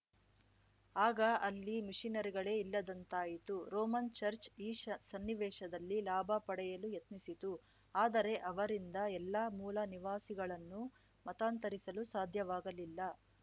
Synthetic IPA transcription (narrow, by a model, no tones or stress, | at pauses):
aːɡɐɐlːimiʂinɐɾiɡɐɭe̞ːilːɐd̪ɐnt̪aːjit̪uɾoːmɐnt͡ʃɐɾt͡ʃiːsɐnːiʋɛːʂɐd̪ɐlːilaːbʱɐpɐɽɛjɐlujɐt̪nisit̪u | aːd̪ɐɾe̞ʔɐʋɐɾind̪ɐɛlːɐmuːlɐniʋaːsiɡɐɭɐnːu | mɐt̪aːnt̪ɐɾisɐlusaːd̪ʱjɐʋaːɡɐlilːɐ